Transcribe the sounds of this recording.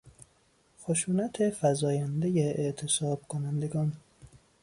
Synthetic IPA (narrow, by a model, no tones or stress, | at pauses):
xoʃuːnæt̪ʰefæzɒːjænd̪ejeʔeʔt̪ʰe̞sɒːb̥̚kʰonænd̪e̞ɡɒːn